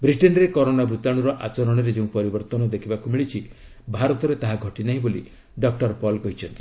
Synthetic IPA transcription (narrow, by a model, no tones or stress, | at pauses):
bɾiʈenɾekɔɾonabɾut̪aɽ̃ɔɾɔʔat͡ʃɔɾɔɽ̃ɔɾed͡ʒeũpɔɾibɔɾt̪ɔnɔd̪ekʰibakumiɭit͡ʃʰi | bʱaɾɔt̪ɔɾet̪aɦaɡʱɔʈinaɦĩbolḭ | ɖɔk̚ʈɔɾpɔlkɔɦit͡ʃʰɔnt̪i